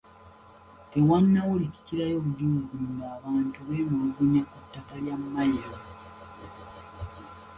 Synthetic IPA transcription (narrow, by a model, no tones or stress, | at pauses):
te̞wanːawulici̥ciɾajo̞βuɟuziŋɡaːβaːntuβeːmuluɡuɲakutːakaljamːajiɾo